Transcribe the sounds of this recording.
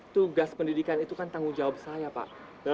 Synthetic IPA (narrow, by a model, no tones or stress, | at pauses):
t̪uɡaspəndidikanit̪ukant̪aŋuŋd͡ʒawap̚sajapa̰ʔ | da